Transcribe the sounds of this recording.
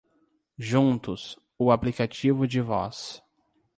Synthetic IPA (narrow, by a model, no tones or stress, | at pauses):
ʒũnt̪ʊs | ʊaplikat͡ʃivʊd͡ʒɪvɔ̰s